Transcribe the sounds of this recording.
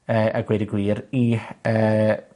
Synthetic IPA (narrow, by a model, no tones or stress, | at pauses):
əːʔaɡwɛdiɡwiːɾiəː